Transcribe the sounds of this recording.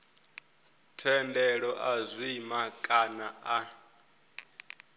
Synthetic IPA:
tʰɛndɛɺɔʔazʷimakʼanaa

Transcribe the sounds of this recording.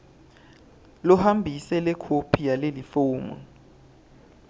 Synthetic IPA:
lɔhambʱisɛlɛkʰopʰijalelifoːmṵn

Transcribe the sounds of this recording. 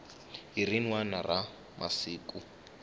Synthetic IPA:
ɦirinwanara | mʔa̰siːkʼu

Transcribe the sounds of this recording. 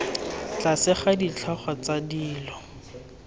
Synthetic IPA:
t͡ɬasɪχadit͡ɬʰɔχɔt͡sadiːlɔ

